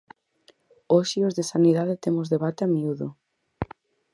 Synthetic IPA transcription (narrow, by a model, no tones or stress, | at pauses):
oʃiozðesaniðaðet̪emʊzðeβat̪eamiuðʊ